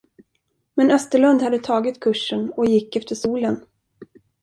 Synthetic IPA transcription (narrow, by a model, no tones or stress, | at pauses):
mɛnœst̪əɭɵnd̪had̪ːət̪ʰɑːɡɪt̪kʰɵʂːənɔjɪkːɛft̪əʂuːlən